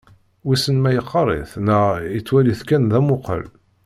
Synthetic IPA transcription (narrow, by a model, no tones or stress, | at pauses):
wisənmæjəqːɑɾˤḭθnæjət͡sːwæliθkænðæmʊqə̰l